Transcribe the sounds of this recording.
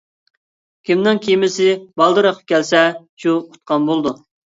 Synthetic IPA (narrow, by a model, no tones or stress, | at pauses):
kʲimnɪŋkʲʰijmɪsɪbɑlˠd̪ɨɾəqʰə̥p̚kʲɛlsɛ | ʃuqʰʊ̥t̪̚qʰɑnbolˠd̪u